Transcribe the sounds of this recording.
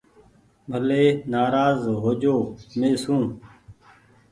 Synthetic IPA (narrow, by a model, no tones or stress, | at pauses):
bʱəleːnaːɾaːzɦoːd͡ʒoːmeːsũː